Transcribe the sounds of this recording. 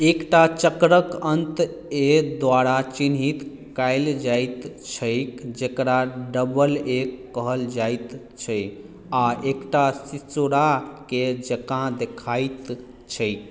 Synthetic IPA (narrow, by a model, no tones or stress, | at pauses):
ekʈat͡ʃəkɾəkənt̪ | ed̪ʋaɾat͡ʃinɦit̪ | kajld͡ʒajt̪t͡ʃʰəjkd͡ʒekɾaɖəbəlekːəɦəld͡ʒajt̪ | t͡ʃʰəj | aʔekʈasit͡ʃoɾaked͡ʒəkãd̪ekʰajt̪ | t͡ʃʰəjk